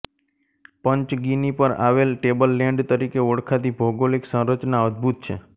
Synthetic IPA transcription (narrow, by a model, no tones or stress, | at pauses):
pəɲt͡ʃɡinipəɾa̰ʋelʈebəlːɛ̃ɳɖt̪əɾikeoɽkʰat̪ibʱoɡoleksə̃ɾət͡ʃnaɔd̪̚bʱut̪̚t͡ʃʰḛ